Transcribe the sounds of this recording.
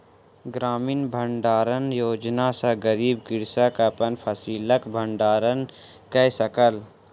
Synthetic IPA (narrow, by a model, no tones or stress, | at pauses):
ɡɾaːmiːnbʱəɳɖaːɾənjoːd͡ʒnasaɡəɾiːbkɪɾsakɐpənpʰɐsiːləkbʱəɳɖaːɾən | kɛsəkəl